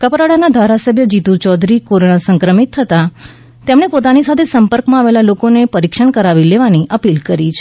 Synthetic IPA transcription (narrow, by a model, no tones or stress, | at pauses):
kəpɾaɽanad̪ʱaɾasəbʱjəd͡ʒit̪ut͡ʃɔd̪ʱɾikoɾonasəŋkɾəmit̪ʰːət̪a | t̪emɳepot̪anisat̪ʰesəmpəɾkmãaʋelalokonepəɾikʃəɳkəɾaʋileʋaniʔəpilkəɾit͡ʃʰ